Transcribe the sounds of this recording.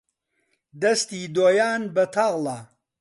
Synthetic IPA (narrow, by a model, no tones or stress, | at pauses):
d̪ɐst̪iːd̪oːjaːnbɐt̪ʰaɣla